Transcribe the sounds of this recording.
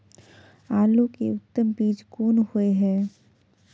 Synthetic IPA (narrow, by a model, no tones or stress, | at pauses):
aːlukḛʊt̪ːəmbiːd͡ʒkoːnhʊeɦɛː